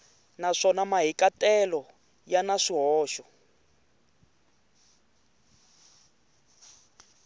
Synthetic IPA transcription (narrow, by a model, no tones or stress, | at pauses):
naʂɔnamaɦikatʼɛlɔ | janaʂiɦɔːʃɔ